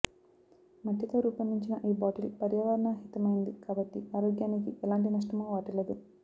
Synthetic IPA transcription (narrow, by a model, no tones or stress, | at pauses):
mɐʈːit̪oːɾuːpɐmːiɲt͡ʃinɐʔiːbaːʈilpɐɾjɐʋɐɾɐɳaːɦit̪ɐmɐjind̪ikaːbɐʈːiaːɾoːɡjaːnikiʔɛlaːɳʈinɐʂ̬ʈɐmoːʋaːʈɐled̪u